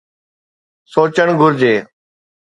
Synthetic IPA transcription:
soːt͡ɕəɳɡʱʊɾd͡ʑeː

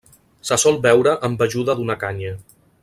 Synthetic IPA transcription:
səsɔlˠbɛwɾəʔəmbəʒuðəðunəkaɲə

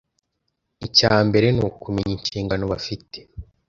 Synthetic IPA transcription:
icaːmbe̞ɾe̞noːkume̞ɲiɲʃiːŋɡano̞βafite̥

